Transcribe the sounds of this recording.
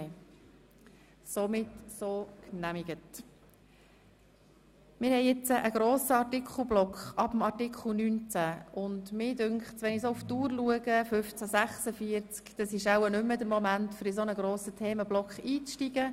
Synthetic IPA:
somɪtsoːknæmɪɡ̥ət | mɪɾhɛɪɪt͡səʔəɡ̥ɾoːsəɑtɪkʰχl̩ˠblɔkχɑb̥əmɑɾtɪkχl̩ˠnyːnt͡sæʊndmɪːdʏŋkχtsʋɛnisouftuːɾluəɡəfʏft͡sæsæχsəfiəɾt͡skd̥əsɪʃawənʏmːədəmɔmæntfʏɾisonəɡɾoːsətʰeːməblɔkχiːt͡sʃtiɡ̥ə

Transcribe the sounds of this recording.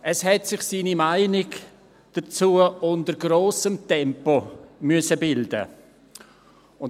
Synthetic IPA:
ʔəshɛtsɪχsiːnimaɪnɪɡ | d̥ɐt͡suːəʊndəɾɡroːsəmtɛmpomyəsəbɪldə̰ | ʊn

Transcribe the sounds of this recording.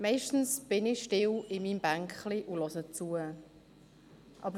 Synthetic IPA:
mɛɪʃtn̩sb̥ɪnɪʃtɪwɪmiːmb̥æŋkχliʔulɔsət͡suə | ʔɑbəɾ

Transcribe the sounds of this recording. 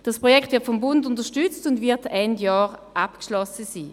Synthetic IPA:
d̥ɑspʁɔjɛktvɪɐtfɔmbʊndʊntəɐʃtyt͡stʊndvɪɐtɛndjɑːʁʔapkʃlɔsəsiː

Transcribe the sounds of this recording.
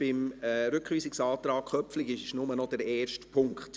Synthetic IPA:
b̥ɪmɛɾʏkχʋiːsɪksɑːtɾɑːkχœpflɪɡɪʃnʊmənɔd̥ɛɾɛːɾʃtpʰʊŋkχt

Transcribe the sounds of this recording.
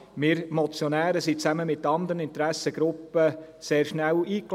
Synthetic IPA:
mɪɾmɔt͡sjɔnæːɾəsit͡sæməmɪtːɑnd̪əɾənɪnt̪ɾæsəɡ̥ɾʊpːə | seːɾʃnæwiːkl

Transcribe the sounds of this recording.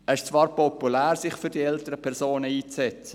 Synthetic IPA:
ɛɪʃt͡svɑːɾpʰɔpulæːɾsɪχfʏɾd̥iɛltəɾəpʰɛʁzoːnəiːt͡sɛt͡sə

